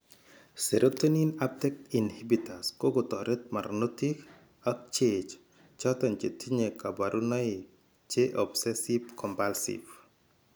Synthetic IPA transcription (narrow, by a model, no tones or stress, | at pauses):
seɾʔotoninap̚tɛk̚tinhibitaskoɡot̪ɔɾʔet̪̚maɾnotik | ak̚t͡ʃet͡ʃ | t͡ʃɔtɔnt͡ʃetʰiɲekabaɾʔunɔɪ | t͡ʃeʔɔbsɛsibkʰɔmpalsḭv